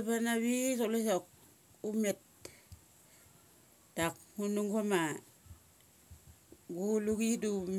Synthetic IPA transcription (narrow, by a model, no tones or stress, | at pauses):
panaβis̬olesok̚ | umet̚ | tːak̚munuŋkoma | ɡuluɡidum